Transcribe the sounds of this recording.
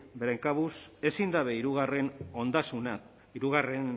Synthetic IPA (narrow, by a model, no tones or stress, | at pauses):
bɾeŋkaβuse̞sind̪aβe̞iɾuɣare̞no̞nd̪asuna | iɾuɣare̞n